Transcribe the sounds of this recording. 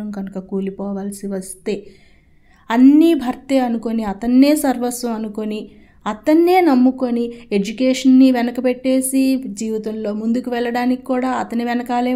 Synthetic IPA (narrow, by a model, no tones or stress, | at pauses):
ɐmɡɐnukɐkuːlipɔːʋaːlɐsiʋɐst̪e̞ː | ɐnːibʱɐɾt̪eːɐnuko̞niɐt̪ɐnːe̞ːsɐɾʋɐɾsuɐnukoni | ɐt̪ɐnːe̞ːnɐmːukonied͡ʒukeːʂɐnːiʋɛnɐkɐpɛʈːe̞ːsid͡ʒiːʋit̪ɐmlo̞ːmund̪ukuʋɛɭːɐɽaːniki̥kuːɽaːɐt̪ɐniʋɛnɐkaːleː